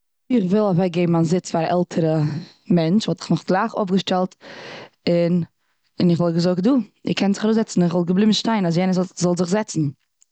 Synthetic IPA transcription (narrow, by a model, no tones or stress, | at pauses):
ɪχvɪlˠavaɪɡeɪbm̩anzɪt͡sfaɾaʔɛlˠtʰəɾə | mɛnt͡ʃvɔtɪ̥χnʊχɡ̥lˠaɪχo̰fɡəʃtɛlˠt | ɪn | ɪnɪχvɪlˠɡəzʊk̚duːɪ̰kʰɛntzɪ̥χaɾoʊszɛt͡sn̩ɪχvɪlˠɡəblˠɪmʃtaɪnas̬jɛnəzzɔlˠzɪχzɛt͡sn̩